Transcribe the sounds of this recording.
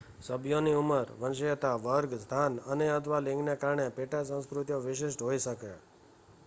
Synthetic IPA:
səbʱjoniuməɾʋənʃ̬ijət̪aʋəɾɡst̪ʰanəneəd̪ʋalɪ̃ŋɡnekaɾɳepeʈasə̃w̃skɾʊt̪joʋɪʃ̬ɪʃʈɦoiʃəke

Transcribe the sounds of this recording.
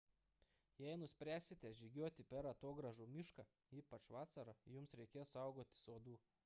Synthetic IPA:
jɛɪnʊsʲpʲɾʲæːsʲɪt̪ʲɛʒʲɪɡʲuɔt̪ʲɪpʲɛɾɐt̪oːɡɾɐʒuːmʲɪʃkɑ | iːpɐt͡ʃʋɑːsɐɾɐjʊmsɾʲɛɪkʲeːsɑˑʊɡoːt̪ʲɪ̥soːd̪uː

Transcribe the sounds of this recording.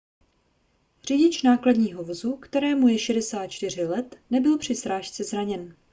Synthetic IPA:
r̝̥iɟɪt͡ʃnaːkladɲiːɦo̞vozukt̪ɛɾɛːmujɛʃɛdɛsaːt̪̚t͡ʃt̪ɪr̝ɪlɛt̪nɛbɪlpr̝̥ɪsɾaːʃt͡sɛzɾaɲɛn

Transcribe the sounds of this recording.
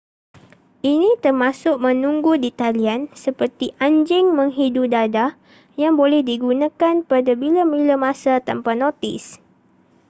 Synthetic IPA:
ʔinĩt̪ərmasʊk̚mə̃nũŋɡudit̪aliansəpərt̪iʔaɲd͡ʒɪŋmə̃ŋɦidudada | jaŋbolɛhdiɡunãkanpadabilamilamãsat̪ampanõt̪ɪ̰s

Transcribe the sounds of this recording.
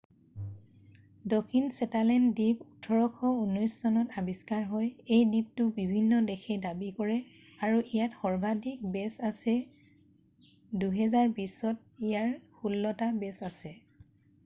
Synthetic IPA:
dokʰinsɛtalɛndiputʰɔɹɔkʰɔunɔjssɔnɔtabiskaɹɦɔjejdip̚tʊbibʱinːɔdɛxʰɛdabikɔɹɛ | aɹuʔijatxɔɹbʱadik̚bɛsasɛ | duɦɛzaɹbisɔt̚ijaɹxulːɔtabɛsasɛ

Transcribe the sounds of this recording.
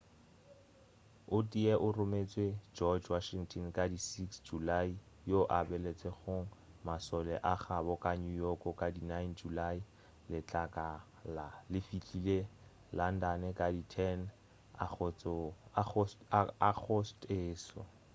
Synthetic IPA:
ʊtʼiɛʔʊrʊmet͡sʼwed͡ʒɔd͡ʒwaʃiŋtʰʼɔnkʼadisiksd͡ʒulai | joʔabɛlet͡sʼeχʊŋ̩ | masɔlɛʔaχabɔkʼaɲujɔkɔkʼadinajnd͡ʒulai | lɪt͡ɬʼakʼa | lalɪfit͡ɬʼile | lan̩danɛkʼaditʰɛn | a | ak͡xʰɔsteːsɔ̰

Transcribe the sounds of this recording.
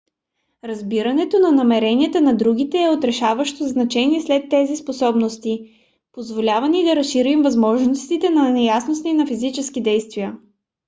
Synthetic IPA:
ɾɐzbiɾɐnɛt̪onɐnɐmɛɾɛniɛt̪ənɐd̪ɾuɡit̪ɛːot̪ɾɛʃavəʃt̪oznɐt͡ʃɛniɛslɛt̪ːɛzisposɔbnost̪i | pozvolʲavɐnid̪ɐɾɐsʃiɾimvɐzmɔʒnost̪it̪ɛnɐnɛjasnosninɐfizit͡ʃɛskid̪ɛjst̪vijə

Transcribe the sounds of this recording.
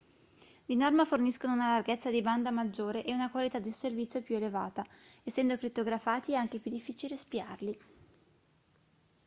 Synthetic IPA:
d̪inɔrmaforniskonounalarɡet̪sːad̪iband̪amad͡ʒːoːɾeʔeunakwalit̪ad̪ːiservit̪sjopjuelevaːt̪aesːɛnd̪okɾit̪ːoɡɾafaːt̪iɛaŋk̟epjud̪ːifːiːt͡ʃilespiarli

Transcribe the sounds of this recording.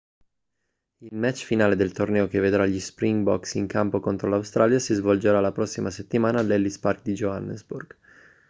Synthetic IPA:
ilmɛt͡ʃːfinaːled̪elt̪ornɛːokevːed̪ɾaʎispɾiŋɡbɔ̰ksiŋkampokont̪ɾolawst̪ɾaːljasizvold͡ʒeɾalːapɾɔsːimaset̪ːimaːnalɛlːispark̚d̪id͡ʒoanːḛzburɡ̥

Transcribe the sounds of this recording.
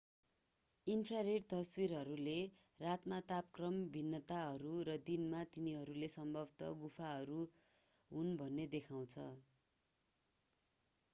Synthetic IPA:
inpʰrareɖt̪ʌswiɾɦʌɾule | rat̪mat̪apkrʌmbʱinːʌt̪aɦʌɾuɾʌd̪inmat̪iniɦʌɾulesʌmbʱʌbt̪ʌ̰ɡupʰaɦʌɾu | ɦunbʱʌnːed̪ekʰaw̃t͡sʰʌ

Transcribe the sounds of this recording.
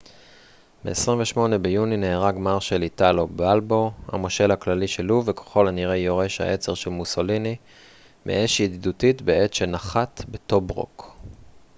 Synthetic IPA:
beːsʁiɱveʃmo̞ne̞bejunineːʁaɡmaʁʃelitalo̞balbo̞ha̰mo̞ʃe̞lhaklaliʃe̞luvekḁχo̞laniʁejo̞ʁe̞ʃha̰ʔe̞t͡seʁʃelmuso̞lini | mʔḛʔeʃid̪dutitbee̞tʃe̞naχat̪be̞to̞bʁo̞̰k

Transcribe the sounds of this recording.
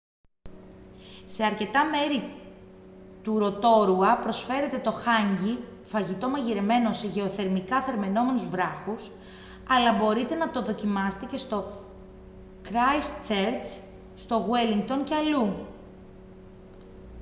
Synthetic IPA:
se̞ɐɾce̞t̪ɐme̞ɾi | t̪uɾo̞t̪o̞ɾuɐpɾo̞sfe̞ɾe̞t̪e̞t̪o̞xɐɲɟi | fɐʝit̪o̞mɐʝiɾe̞me̞no̞seʝe̞o̞θe̞ɾmikɐθeɾme̞no̞me̞nuzvɾɐxus | ɐlɐbo̞ɾit̪e̞nɐt̪oðo̞cimɐse̥t̪e̞ce̞st̪o̞ | kɾɐjst͡ʃeɾt͡s | st̪o̞ɣweliŋɡt̪o̞nceɐlu

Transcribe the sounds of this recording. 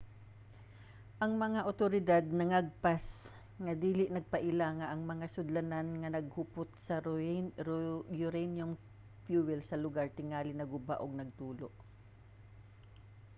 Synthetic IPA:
ʔɐŋmɐŋaʔot̪oɾɪd̪ad̪̚nɐŋaɡ̚pas | ŋɐd̪iːlɪʔnɐɡ̚pɐʔɪlaːŋɐʔɐŋmɐŋasʊd̪lɐnanŋɐnɐɡ̚hʊpʊt̪̚sɐ | jʊɾɛnjoŋ | fjuːwɛlsɐlʊɡaɹt̪ɪŋaːlɪnɐɡʊba̰ʔoɡ̚nɐɡ̚t̪uːloʔ

